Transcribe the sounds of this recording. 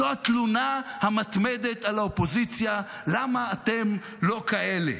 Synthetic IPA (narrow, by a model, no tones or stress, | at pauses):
oat̪lunahamat̪med̪et̪alaopo̞zit͡sja | lamaːt̪e̞m | lo̞kaʔe̞lḛ